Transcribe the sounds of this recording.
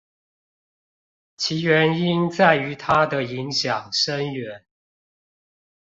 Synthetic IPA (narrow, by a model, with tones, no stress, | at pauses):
t͡ɕʰi˨˧˥ɥɛ˨˧˦ni˦˥nt͡sa˥˩ɪy˧˥t̪ʰa˦d̪ə˨i˨˦ŋɕjɑ˨˩ŋʂə˦nɥɛ˧˦n